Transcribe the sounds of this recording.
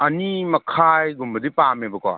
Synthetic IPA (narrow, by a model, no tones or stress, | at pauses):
ɐnimɐkʰajɡumbɐdipamebɐka̰